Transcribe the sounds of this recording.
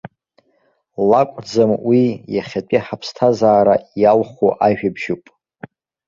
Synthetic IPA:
lakʷʼd͡zamwijaχʲat͡pʼiħapʰstʰazaːɾajalχʷuʔaʒᶣabʒupʼ

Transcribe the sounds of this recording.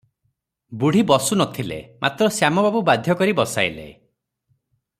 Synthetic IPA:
buɽ̤ibɔsunɔt̪ʰilḛmʔat̪ɾɔsjamɔbabubad̪ʱjɔkɔɾibɔsa̰jlḛ

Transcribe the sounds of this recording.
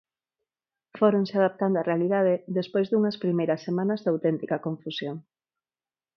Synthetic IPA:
foɾoŋseaðap̚t̪and̪oarealiðað̞eðespojzðuŋɐspɾimejɾɐsːemãnɐzðawt̪ɛnt̪ikɐkõɱfusjoŋ

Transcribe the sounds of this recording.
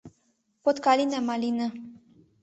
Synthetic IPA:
pot̪kalinamalinə

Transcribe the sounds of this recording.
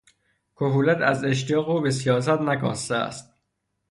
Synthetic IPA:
kʰoɦuːlæt̪ʰæze̞ʃ̬t̪ijɒːɣoːbesijɒːs̬æt̪nækʰɒ̰ːst̪eæ̰st̪̚

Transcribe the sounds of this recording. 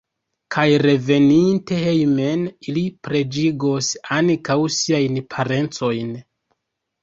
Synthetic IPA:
kʰajɾe̞ve̞ninte̞hejme̞nilipɾe̞d͡ʒiɡosankawsiajnpʰaɾe̞nt͡so̞jn

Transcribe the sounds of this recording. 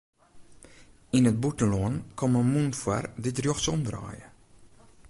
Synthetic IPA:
inət̚butəlɔənkɔməmunfwa̰rditrjoxsɔmdrɑ̰ːjə̰

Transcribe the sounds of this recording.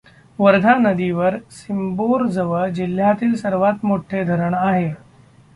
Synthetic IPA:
ʋəɾd̪ʱanəd̪iʋəɾsimboɾd͡zəʋəd͡ʑil̤ːjat̪iːlsəɾʋat̪moʈʰːed̪ʱəɾəɳaɦe

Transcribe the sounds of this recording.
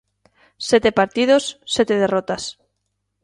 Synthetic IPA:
set̪epaɾt̪ið̞osːet̪eðerot̪as

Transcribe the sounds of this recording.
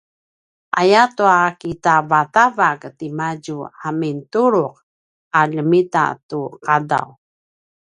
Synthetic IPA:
ʔajatuakitavatavaktimaɟuamintuɾuq̚ | aʎəmita̰tuqada̰w

